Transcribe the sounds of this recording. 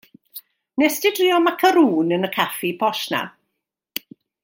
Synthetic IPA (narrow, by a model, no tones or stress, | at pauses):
nɛsd̥ɪdriːɔmakʰəɾuːnənəkʰafipʰɔʃna̰